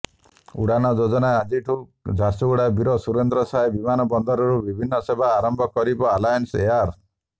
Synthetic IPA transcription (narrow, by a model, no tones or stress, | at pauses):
ṵɽanɔd͡ʒod͡ʒɔnaad͡ʒiʈʰud͡ʒʱaɾsuɡuɽabiɾɔsuɾend̪ɾɔsaebimanɔbɔnd̪ɔɾɔɾubibʱinːɔsebʱaːɾɔmbʱɔkɔɾibɔalajɔnseaɾ